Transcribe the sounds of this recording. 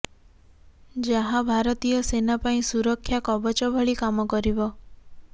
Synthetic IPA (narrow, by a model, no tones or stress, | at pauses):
d͡ʒaɦãbʱaɾɔt̪ijɔsenapaĩsuɾɔkʰːjakɔbɔt͡ʃɔbʱɔɭikamɔkɔɾibɔ